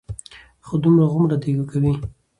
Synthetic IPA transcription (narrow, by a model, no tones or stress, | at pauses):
xod̪umɾaɣʊmɾad̪eɡokawi